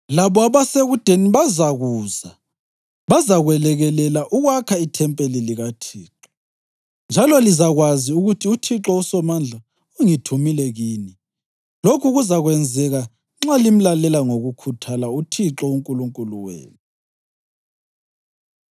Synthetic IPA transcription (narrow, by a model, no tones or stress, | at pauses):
laβɔaβaseɣud̥ʱeniβazaɣuːza | βazaɣwɛlɛɣɛlɛlaʔuɣwakʰaitʰɛmpʼeliliɣatʰiːǁɔ | nd͡ʒʱalɔlizaɣwaziuɣutʰiutʰiǁɔusɔmand͡ɮʱa | uŋitʰumilɛɣiːni | lokʰuɣuzaɣwɛnd͡zʱɛɣa | ŋ͡ǁalim̩lalɛlaŋoɣukʰutʰalautʰiǁɔuŋkʼuluŋkʼuluwḛːni